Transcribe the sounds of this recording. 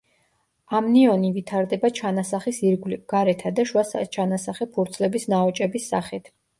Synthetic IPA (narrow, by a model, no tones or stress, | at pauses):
amniɔnivit̪ʰaɾd̪ɛbat͡ʃʰanasaχisiɾɡwliɡ̥aɾɛt̪ʰad̪aʃwast͡ʃʰanasaχɛpʰuɾt̪sʰlɛbisnaɔt͡ʃʼɛbisːaχɛt̪ʰ